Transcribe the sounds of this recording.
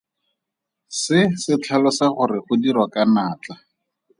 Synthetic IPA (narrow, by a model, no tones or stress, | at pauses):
sɪsɪt͡ɬʰalɔsaχʊrɪχʊdirwakanaːt͡ɬa